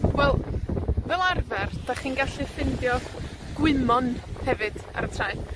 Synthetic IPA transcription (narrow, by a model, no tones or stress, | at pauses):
wɛlˠvɛlˠarvɛrd̥aχiːnɡaɬɨfɪndjɔ | ɡ̥wɪmɔnhɛvɨd̥a̰ɾətʰrajm